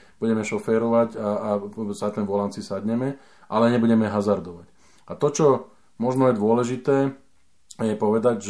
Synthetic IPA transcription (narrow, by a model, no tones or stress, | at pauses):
b̥uɟɛmɛʃɔfɛːɾɔʋaɟaːsat̪ɛnʋɔlant͡sisad̪ɲɛmɛ | ʔalɛɲɛbuɟɛmɛɦazaɾd̪ɔʋac | at̪ɔt͡ʃɔ | mɔʒnɔjɛd̪ʋʊɔlɛʒit̪ɛː | jɛpɔʋɛd̪aɟʒ